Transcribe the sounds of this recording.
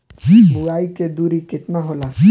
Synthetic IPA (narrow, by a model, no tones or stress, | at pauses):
bʊɡaːiked̪uːɾikɪt̪naɦoːlaː